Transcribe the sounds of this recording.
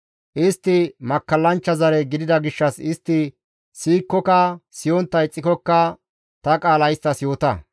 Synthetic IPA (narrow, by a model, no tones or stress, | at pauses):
ʔɪst̪ːɪmɐkːɐlːɐnt͡ʃːɐzɐɾɛɡɪd̪ɪd̪ɐɡɪʃːɐsɪst̪ːɪ | siːkːɔkɐsɪjɔnt̪ːɐjt͡sʼːɪkɔkːɐ | t̪ɐkʼaːlɐjɪst̪ːɐsjo̞ːt̪ɐ̰